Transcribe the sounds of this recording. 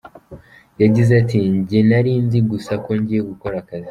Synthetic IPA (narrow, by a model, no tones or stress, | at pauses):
jaɟizatiɲɟenaɾiːnziɡusako̞ɲɟijeɡuko̞ɾakazi̥